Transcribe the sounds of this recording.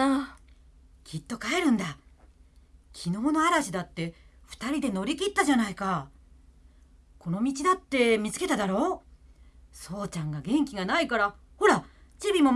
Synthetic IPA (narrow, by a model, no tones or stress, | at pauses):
a | kʲit̪ːo̞kaeɾɯ̟̃nd̪a | kʲʰino̞ːno̞aɾaɕid̪at̪ːe̞ɸɯ̟̥t̪aɾʲid̪e̞no̞ɾʲikʲit̪ːaʑanaika | ko̞no̞mʲit͡ɕid̪at̪ːe̞mʲit͡sɨ̥ke̞t̪ad̪aɾo̞ː | so̞ːt͡ɕãŋɡaɡẽ̞ŋkʲiɡanaikaɾa | ho̞ɾa | t͡ɕibʲimo̞